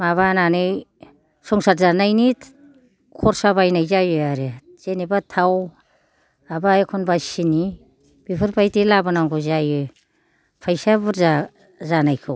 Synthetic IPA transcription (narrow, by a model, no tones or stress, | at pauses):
maβananɯj | sɔŋsatzanajnit | kʰɔɾsabajnajzajɯjaɾe | z̥enibatʰaw | abajkʰɔnbasini | b̥ipʰɯɾpʰajtilabanaŋɡɔzajɯj | pʰajsabɯɾza | zanajkʰɯw